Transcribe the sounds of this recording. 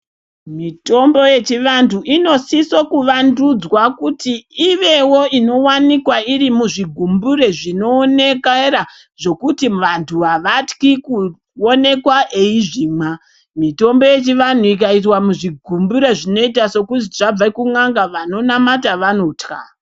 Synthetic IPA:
mito̞mbo̞je̞t͡ʃiʋantʰuʔino̞siso̞kuʋandud͡zwakutiːʋe̞wo̞ino̞wanikwaiɾimuʐiɡʱumbure̞ʐino̞ːne̞kra | ʐ̥o̞kutiʋantʰuʋaʋatkiku | o̞ne̞kwaʔeiʐiːma | mito̞mbo̞je̞t͡ʃiʋan̤uik̬aitwamuʐiɡʱumbuɾe̞ʐino̞itaso̞kutiʐab͡vakuŋaŋɡaʋano̞namataʋanoːtka̰

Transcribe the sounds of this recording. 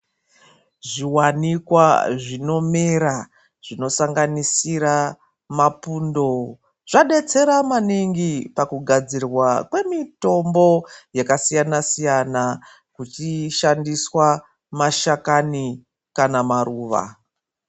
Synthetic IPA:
ʐiwanikwaʐino̞meɾa | ʐ̥ino̞saŋɡanisiɾa | mapundo̞ | ʐ̥aɗe̞t͡se̞ɾamaniŋɡipakuɡʱad͡zirwakwe̞mito̞mbo̞jakasijanasijana | kut͡ʃiʃandiswa | maʃakani | kanamaruːʋa̰

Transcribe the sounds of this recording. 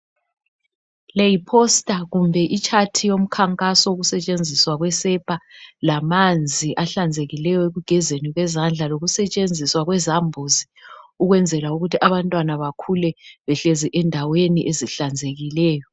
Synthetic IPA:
lejipʰɔstʼaɣumbʱɛʔit͡ʃʰʼatʰijom̩kʰaŋkʼasɔuɣusɛt͡ʃʼend͡zʱiswaɣwɛsɛpʰalamand͡zʱiʔaɬand͡zʱeɣilɛjɔeɣuɡ̥ʱɛzeniɣwɛzand͡ɮʱaloɣusɛt͡ʃʼend͡zʱiswaɣwɛzambʱozi | uɣwɛnd͡zʱɛlauɣutʰiʔaβantʼwanaβakʰulɛβɛɬeziʔɛndʱaweniʔeziɬand͡zʱeɣilɛːjɔ

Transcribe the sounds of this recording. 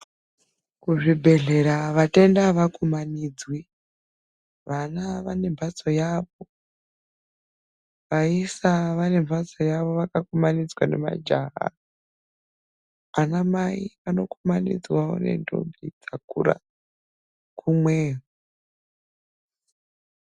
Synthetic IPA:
kuʐibʱe̞ɮe̞ɾaʋate̞ndaʋakumaniːd͡zwi | ʋanaʋane̞ɱbʱat͡so̞jaːʋo̞ | ʋaisaʋane̞mvʱat͡so̞jaʋo̞ʋakakomanid͡zwane̞ma̰d͡ʒaɦa̰ | anamaiano̞kumanḭd͡zwao̰ne̞̰ndʱo̰mbʱid͡zakuɾa̰ | kʰumweːɦu

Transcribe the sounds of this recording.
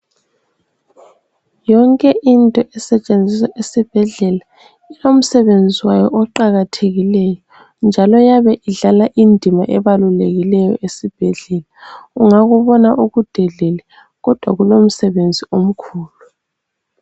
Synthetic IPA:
jɔŋkʼɛʔintʼɔʔɛsɛt͡ʃʼend͡zʱisaʔesib̥ʱɛɮɛla | ilom̩sɛβend͡zʱiwajɔʔɔǃaɣatʰeɣilɛjɔ | nd͡ʒʱalɔjaβɛʔiɮalaʔindʱimaʔɛβaluleɣilɛjɔ̰ʔesib̥ʱɛɮɛlaɣuŋaɣuβɔnaʔuɣud̥ʱɛɮɛlɛ | ɣɔd̥ʱwaɣulom̩sɛβend͡zʱiom̩kʰuːlu

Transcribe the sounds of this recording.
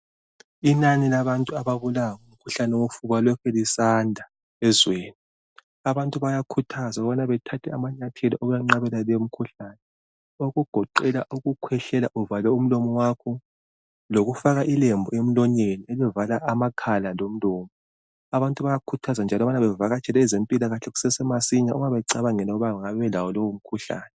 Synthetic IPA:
inanilaβantʼuaβaβulaŋum̩kʰuɬanɛwofuβalɔkʰɛlisandʱa | ɛzweːni | aβantʼuβajakʰutʰazaɣɔβanaβɛtʰatʰɛamaɲatʰɛlɔʔɔɣujaŋ͡ǀaβɛlaleom̩kʰuɬaːnɛ | oɣuɡ̥ʱɔǃɛlaʔuɣukʰwɛɬɛlaʔuvalɛum̩lɔmɔwakʰɔ | loɣufaɣaʔilɛmbʱɔem̩lɔɲelielivalaʔamakʰalalom̩lɔːmɔ | aβantʼuβajakʰutʰazand͡ʒʱalɔβanaβɛvaɣat͡ʃʰʼɛlɛzempʼilaɣaɬɛɣu̥sɛsɛmasiɲauŋaβɛǀaβaŋɛlaɣuβaŋaŋaβɛβɛlawɔlowom̩kʰuɬa̰ːnɛ

